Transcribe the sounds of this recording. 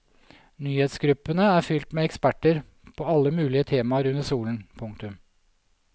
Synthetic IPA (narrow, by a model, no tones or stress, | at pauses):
nyːheːt̪sɡɾʉpːənəæːɾfʏlt̪meɛkspæʈəɾ | pʰoːɑlːəmʉːlɪət̪ʰeːmɑəɾʉnəsuːln̩pʰʊŋk̚t̪ʉm